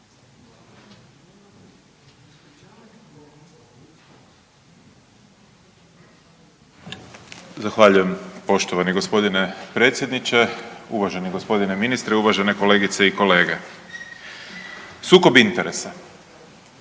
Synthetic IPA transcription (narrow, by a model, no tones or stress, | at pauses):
zaxʋaʎuje̞mpo̞ʃt̪oʋaniɡo̞spo̞d̪ine̞pɾet̪sʲje̞d̪nit͡ɕe̞uʋaʒe̞niɡospo̞d̪ineminist̪ɾeuʋaʒe̞ne̞ko̞le̞ːɡit̪se̞iko̞le̞ːɡe | suːko̞bint̪eɾesa